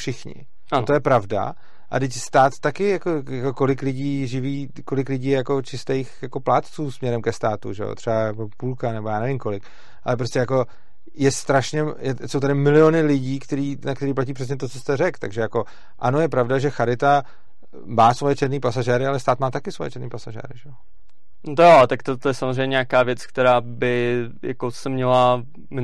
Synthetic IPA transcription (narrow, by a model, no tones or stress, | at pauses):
fʃɪxɲɪ̰ | t̪ojɛpɾavda̰ | ʔa̰dɪcst̪aːt̪ːakɪjakojako̞ko̞lɪklɪɟiːʒɪviː | ko̞lɪklɪɟiːjako̞t͡ʃɪst̪ejxjako̞plaːt̪t͡suːsmɲɛɾɛmkɛst̪aːt̪ṵʒɛ̰jo̰t̪r̥ɛbajakopuːlkanɛbojaːnɛvɪmko̞lɪk | ʔa̰lɛp̬ɾo̞stcɛjako̞ | jɛst̪ɾaʃɲɛjɛsowt̪adɪmɪlɪonɪlɪɟiːkt̪ɛɾiːnakt̪ɛɾiːp̬laciːpr̝̥ɛs̬ɲɛt̪o̞t͡sost̪ɛrɛkt̪aɡʒɛjako̞ | ʔano̞jɛpɾavdaʒɛxaɾɪt̪a | maːsvo̞jɛt͡ʃɛɾniːpasaʒɛːɾɪalɛst̪aːt̪maːt̪akɪsvojɛ̰t͡ʃɛɾniːpasaʒɛ̰ːɾɪʒɛjo | nt̪ojot̪akt̪ot̪ojɛsamozɾ̝ɛjɲɛɲakaːvjɛt͡skt̪ɛɾaːbɪ | ja̰kosɛmɲɛla | mɪ